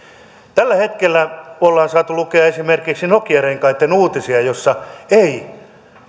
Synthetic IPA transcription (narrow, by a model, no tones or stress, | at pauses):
t̪ælːæhet̪kelːæolːɑːnsɑːt̪ulukeɑesimerkiksinokiɑreŋkɑit̪ːenuːt̪isiɑjosːɑei